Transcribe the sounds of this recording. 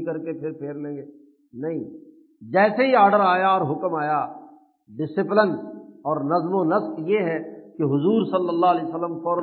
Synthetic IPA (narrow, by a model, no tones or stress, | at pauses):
kɐɾkepʰɪɾpʰeːɾlẽːŋɡeː | nɐɦĩ | d͡ʒɛːseɦiaːɾɖəɾaːjaɔːɾɦʊkmaːja | ɖɪsɪplənɔːɾnɐzmonɐskjeɦɛkeɦʊzuːɾsɐlːəlːaːɦlɛːsəlːəmfɔːɾ